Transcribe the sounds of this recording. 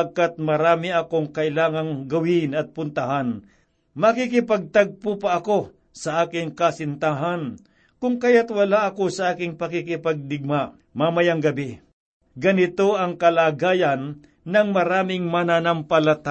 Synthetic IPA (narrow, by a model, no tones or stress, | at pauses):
aɡ̚kat̪̚mɐɾaːmɪɐkoŋkɐʔɪlaːŋɐŋɡɐwɪnɐt̪̚pʊnt̪ɐɦan | mɐkikɪpɐɡ̚t̪aɡ̚pʊpɐʔɐko̞ | sɐʔaːkɪŋkɐsɪnt̪aɦan | kʊŋkajat̪wɐlaʔɐko̞sɐʔaːkɪŋpɐkɪkɪpɐɡ̚d̪ɪɡ̚ma | mamɐjaŋɡɐbɛ | ɡɐnɪt̪o̞ʔɐŋkɐlaːɡaːjɐnː | ɐŋmɐɾaːmɪŋmɐnanɐmpɐlɐt̪a